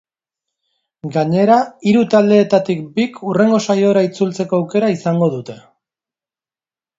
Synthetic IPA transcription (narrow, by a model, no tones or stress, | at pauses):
ɡaɲe̞ɾaiɾut̪ald̪e̞ːt̪at̪ikbikʰure̞ŋɡo̞sajo̞ɾait͡sult͡se̞ko̞awke̞ɾaisaŋɡo̞ðut̪e̞